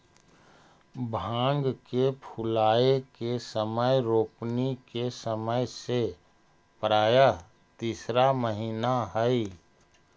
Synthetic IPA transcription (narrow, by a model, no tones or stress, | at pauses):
bʱãːŋɡkepʰʊlaːekesəməjɾoːpnikesəməjse | pɾaːja | t̪iːsɾaməɦiːnaɦəi